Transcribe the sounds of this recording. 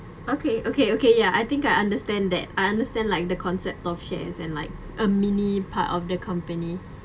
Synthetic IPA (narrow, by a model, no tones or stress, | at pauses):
okʰeʔokeokejaʔajt̪ɪ̃ŋkajãndəstɛ̃nd̪ɛ̰t̚ajãndəstɛ̃ndlaɪk̚dəkʰɔ̃nsɛp̚tɔfʃɛ̰sɛ̃nlaɪk̚ | ʔəminipʰa̰tɔfdəkʰãmpəni